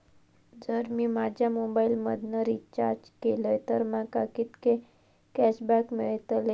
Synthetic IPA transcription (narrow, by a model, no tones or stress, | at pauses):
d͡zəɾmimad͡ʑʱjamobailməd̪nəɾit͡ɕa̰ɾd͡ʒkeləjt̪əɾmãkakit̪ke | kɛʃbækmiɭt̪le